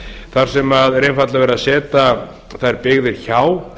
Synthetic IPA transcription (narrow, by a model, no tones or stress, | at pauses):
θaɾ̥sɛmaðɾejnfat̪lavɛɾasɛːt̪a | θaðɛɾpɪɣðɪɾ̥çaːw